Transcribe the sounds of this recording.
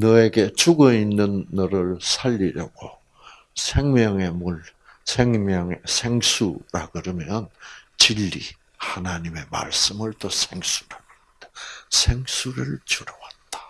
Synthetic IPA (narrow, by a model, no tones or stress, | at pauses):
nʌeɡe̞t͡ɕuɡʌinːɯnːʌɾɯɭsʰaʎːiɾjʌɡ̥o | sʰe̞ŋmjʌŋe̞muɭ | sʰeŋmjʌŋesʰeŋsʰuɾa̰ɡɯɾɯmjʌnt͡ɕiʎːḭ | hanaɲime̞ma̰ɭs͈ɯmɯɭtosʰe̞ŋsʰu̥ɾaɡɯɾd̥asʰe̞ŋsʰuɾɯɭt͡ɕuɾʌwat̚t͈ḁ